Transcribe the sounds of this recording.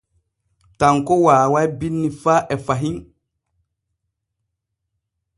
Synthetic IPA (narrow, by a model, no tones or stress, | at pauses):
taŋkɔwaːwajbinːifaʔɛfaɦiŋ